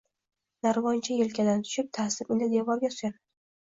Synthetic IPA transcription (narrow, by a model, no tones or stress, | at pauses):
naɾvɒnt͡ʃʰajelkʲʰad̪ant̪ʰʊ̥ʃɪp̚t̪ʰasɪpɪnd̪ɪd̪evɒɾɡʲat̪ʰʊ̥aɾ